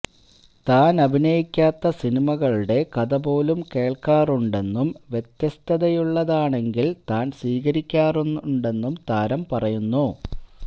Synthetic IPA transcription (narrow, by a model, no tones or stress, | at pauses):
t̪aːnɐbʱinɐjikʲːaːt̪ːɐsinimɐɣɐɭuɽe̞kɐðɐbo̞ːlumke̞ːɭkaːruɳɖe̞nːumʋje̞t̪jɐst̪ʰɐðɐjuɭːɐðaːɳe̞ŋɡilt̪aːnsʋiːɣɐɾikʲːaːrunːɳɖe̞nːumt̪aːɾɐmpɐrɐjunːu